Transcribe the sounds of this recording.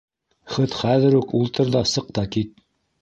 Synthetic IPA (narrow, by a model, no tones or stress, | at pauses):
χɤt̪χæðɘ̆ɾʉkulˠt̪ɤ̆ɾðɑsɤ̆q̚t̪ɑkit̪̚